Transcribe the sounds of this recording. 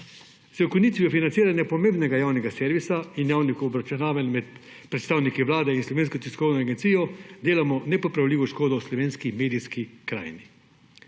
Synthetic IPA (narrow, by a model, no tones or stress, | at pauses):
zɔkɔniːt̪ʋiɔfinantsiːɾanjapɔmẽmbnɛɡajaːwnɛɡasɛɾʋisainjaːwnixɔbɾat͡ʃunaːʋanmɛt̪ | pɾɛt̪st̪aːwnikiʋlaːd̪ɛinslɔʋeːnskɔt̪iskɔwnɔaɡent̪siːjɔd̪eːlamɔnɛpɔpɾawliːʋɔʃkoːd̪ɔwslɔʋeːnskimeːd̪iskikɾa̰ːjni